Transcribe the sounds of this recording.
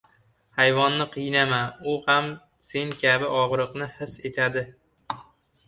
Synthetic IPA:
hajvɒnːɪqʰɨjnamaʊham | se̞ŋkʲʰabɪʔɒʁɾɨqnɪhɪse̞t̪ʰad̪ɪ

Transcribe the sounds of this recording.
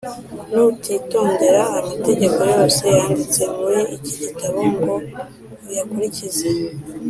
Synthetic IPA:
nutʰito̞ːnde̞ɾaːmate̞ɟe̞ko̞jo̞ːse̞jaːndit͡se̞muɾiiciɟitaβoŋɡo̞ | jakuɾicize

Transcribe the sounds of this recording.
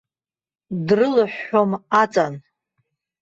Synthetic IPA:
drɨlɨħːomat͡sʼan

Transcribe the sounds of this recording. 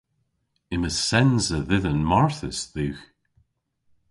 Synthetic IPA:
ɪməsɛnzəðɪðənmaɹθəsðʉːx

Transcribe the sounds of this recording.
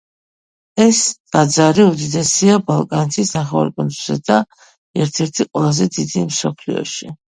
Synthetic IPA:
ɛst̪ʼad̪zaɾiud̪id̪ɛsiabalˠkʼanɛt̪ʰisnaχɛva̰ɾkʼɔnʼusɛd̪a | ɛɾt̪ʰɛɾt̪ʰiqʼwɛlˠazɛd̪id̪imsɔpʰlḭɔ̰ʃi

